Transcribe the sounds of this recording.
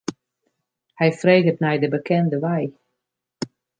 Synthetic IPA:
hɛjfreːɡətnɛjdəbəkʰɛndəʋɛj

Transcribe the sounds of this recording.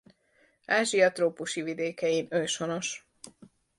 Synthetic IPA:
aːʒiɒt̪roːpuʃivid̪eːkɛjinøːʃono̞ʃ

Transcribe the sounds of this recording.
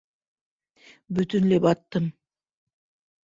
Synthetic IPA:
byt̪ynlepɑt̪ːɯm

